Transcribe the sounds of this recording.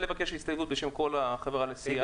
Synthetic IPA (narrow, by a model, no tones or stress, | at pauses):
levakeʃhist̪alɡut̪beʃe̞mko̞laχavʁaːnesia